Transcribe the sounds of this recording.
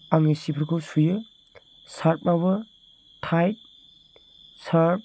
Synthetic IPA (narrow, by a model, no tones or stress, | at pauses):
aŋesipʰɯɾkʰosujɯ | saɾp̚mabɯ | tʰajt̚ | saɾp̚